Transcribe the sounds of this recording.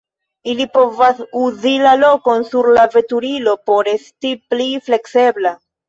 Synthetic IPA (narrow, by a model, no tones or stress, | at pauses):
ilipo̞vasuzilalo̞ko̞nsuɾlave̞tuɾilo̞po̞ɾe̞stiplifle̞kse̞bla